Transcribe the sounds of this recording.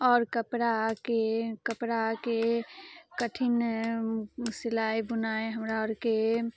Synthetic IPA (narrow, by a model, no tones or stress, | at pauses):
ɔːɾkəpɾakekəpɽake | kəʈʰɪn | sɪlaːibʊnaeɦəmɾaɔɾke